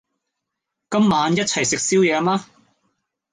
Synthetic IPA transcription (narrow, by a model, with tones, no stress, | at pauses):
kɐ˥mːaː˨˧njɐ˥t̚t͡sʰɐ˨˩jsɪ˨k̚siː˥wjɛː˨˧maː˥